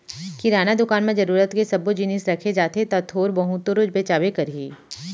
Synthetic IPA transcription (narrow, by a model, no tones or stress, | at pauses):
kiɾaːnad̪ʊkaːnmẽd͡ʒɐɾuːɾət̪kesɐbod͡ʒinisɾɐkʰed͡ʒaːt̪et̪ɐt̪ʰoːɾbɐɦʊt̪oɾʊd͡ʒbeːt͡ʃaːʋekɐɾɦiː